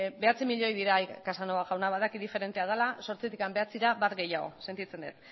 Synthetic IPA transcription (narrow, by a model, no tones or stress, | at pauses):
be̞at͡simiʎo̞jðiɾajkasanoaɣawnaβaðakiðife̞ɾe̞nt̪eað̞elaso̞ɾt͡sit̪ikambe̞at͡siɾaβaɾɣe̞jaɣo̞̰se̞nt̪it͡se̞nd̪ḛt̪